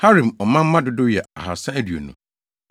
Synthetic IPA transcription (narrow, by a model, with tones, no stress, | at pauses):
ha˦ɾĩ˨mɔ˨mã˦m̩˦mã˦dʊ˦dʊ˦jɛ˨a̰˨ɦa̰˨sã˦æ˦dɥo̰˨nṵ̃˨˦